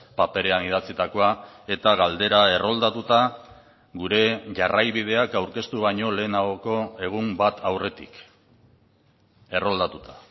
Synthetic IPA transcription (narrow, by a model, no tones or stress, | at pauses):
pape̞ɾe̞anið̞at͡sit̪ako̞ae̞t̪aɣald̪e̞ɾae̞ro̞ld̪at̪ut̪a | ɣuɾe̞ʝarajβið̞e̞akawɾke̞st̪uβaɲo̞le̞ːnaɣo̞ko̞e̞ɣ̞umbat̪ʰawre̞t̪ḭk | e̞ro̞ld̪at̪ut̪ḁ